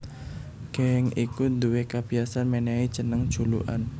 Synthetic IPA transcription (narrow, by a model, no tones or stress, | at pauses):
ɡ̥ɛŋikund̪uwekab̥iasanmenei̥t͡ʃənəŋ̥ʒ̥ṳlṵʔa̰n